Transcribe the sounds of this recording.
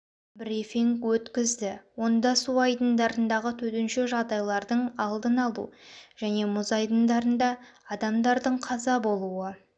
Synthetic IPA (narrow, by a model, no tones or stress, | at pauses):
bɾifiŋkwɵt̪kʲɪzd̪ɪwo̞nd̪ɑsuɑjd̪ənd̪ɑɾənd̪ɑʁət̪ʰɵt̪ɪnʃɪʒɑʁd̪ɑjlˠɑɾd̪əɴɑlˠd̪ənɑlˠṵʒ̥æne̞mʊzɑjd̪ənd̪ɑɾənd̪ɑːd̪ɑmd̪ɑɾd̪əɴqʰɑzɑbo̞lˠuə